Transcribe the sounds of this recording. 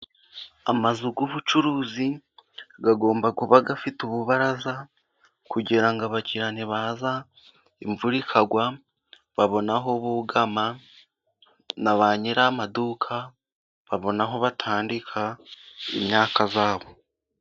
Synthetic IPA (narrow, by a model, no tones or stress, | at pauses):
amazuɡoβut͡ʃuɾuːzi | ɡaɡo̞ːmbakuβaɡafituβuβaɾaza | kuɟiɾaŋɡaβaciɾaneβaːza | iɱvuɾikʰaɡwa | βaβo̞naɦo̞βuɡama | naβaɲiɾamaduːkʰa | βaβo̞naɦo̞βatʰaːndikʰa | ḭmɲaːkazaːβo̞